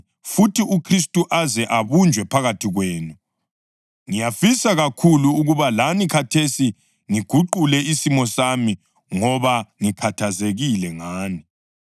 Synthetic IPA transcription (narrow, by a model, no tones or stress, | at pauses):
futʰiukʰris̬tʼuʔazɛʔaβund͡ʒʱwɛpʰaɣatʰiɣweːnu | ŋijafisaɣakʰuluuɣuβalanikʰatʰesi | ŋiɡ̥ʱuǃulɛisimɔsami | ŋɔβaŋikʰatʰazeɣilɛŋaːni